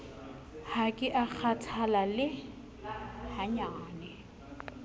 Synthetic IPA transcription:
hakʼɪʔak͡xʰatʰalalɪ | haɲaːnɛ

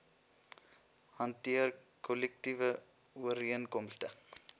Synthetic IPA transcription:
hɐntiər | kʰɔlɛk̚tivə | uəɾiənkɔmstə

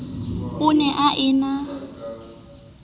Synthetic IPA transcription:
ʊnɛʔaʔɪna

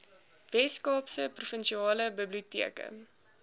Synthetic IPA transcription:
vɛskɑːpsəprufənʃiɑːləbəbliutiəkə̰

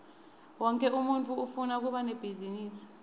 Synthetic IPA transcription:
wɔŋkʼɛumuntʰʼuufunak̬uɓanɛb̥ʱiziniːsi̥

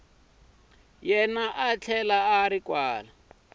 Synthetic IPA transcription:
jɛnaʔat͡ɬʰɛlaaɾikwaːla

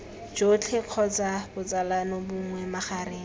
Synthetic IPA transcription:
d͡ʒot͡ɬʰeq͡χʰɔt͡sabʊt͡salanɔbʊŋŋwɛmaχaːɾɪː

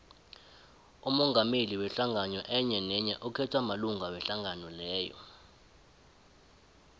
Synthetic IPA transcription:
umɔŋɡameliwɛɬaŋʱaɲɔʔɛɲɛnɛɲɛʔɔkʰɛtʰwamaluŋɡʱawɛɬaŋanɔlɛːjɔ̰

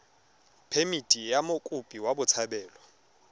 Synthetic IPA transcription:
pʰemitʼijamokʼʊpʼiwabʊt͡sʰabɛːlɔ

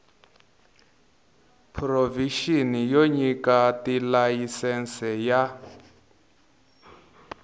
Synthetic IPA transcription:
pʰroviʃinijoɲikatilajisɛnsɛja

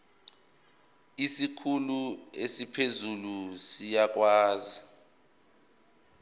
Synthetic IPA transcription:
isikʰuluesipʰezulusijak̬ʼwaːzi

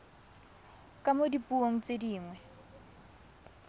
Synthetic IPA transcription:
kʼamodipʼuoŋ̩t͡sʼediːŋwɛ

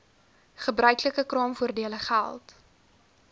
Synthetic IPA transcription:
χəbrœɥkləkəkrɑːmfuərdiələχæ̰lˠt

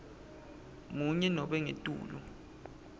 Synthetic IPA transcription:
muɲɛnɔɓɛŋetʼṵːlṵ

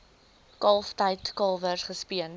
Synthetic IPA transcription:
kɐlˠftɐjtkɑlˠvərχəspiən

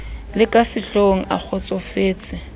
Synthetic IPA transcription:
lɪkʼasɪɬoŋ̩a̰k͡xʰɔt͡sʼɔfeːt͡sʼɪ

